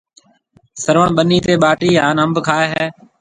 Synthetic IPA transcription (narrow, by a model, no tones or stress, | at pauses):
səɾʋəɳɓəniːt̪eːɓaːʈiːɦãːnəmbkʰaːeːɦɛː